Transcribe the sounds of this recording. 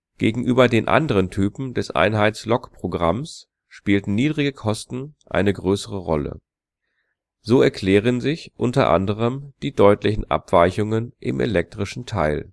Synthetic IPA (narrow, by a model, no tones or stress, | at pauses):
ɡ̥eːɡŋ̩ʔyːbɐdeːnʔa̰ndəʁ̞əntʰyːpm̩dɛsʔa̰ɪnɦaɪt͡slɔkpʁ̥oɡʁa̰ms | ʃpiːltn̩niːdʁɪɡəkʰɔstn̩ʔa̰ɪnəɡʁøːsəʁəʁɔ̰lə̰ | zoːɛɐkʰl̥ɛːʁ̞ənzɪçʔʊntɐ̰ʔa̰ndəʁ̞əmd̥iːdɔʏtlɪçn̩ʔa̰pv̥aɪçʊŋənʔɪ̰mʔḛlɛk̚tʁ̥ɪʃn̩tʰaɪl